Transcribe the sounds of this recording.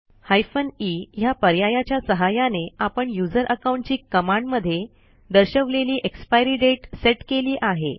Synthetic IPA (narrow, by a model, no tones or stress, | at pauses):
hajfənijapəɾjajat͡ɕjasəɦajaneapəɳjud͡zəɾʔəkawɳʈt͡ɕiːkəmãɳɖməd̪ʱːje | d̪əɾɕəʋleliːʔekspajɾiːɖeʈseʈkeliːʔaɦḛ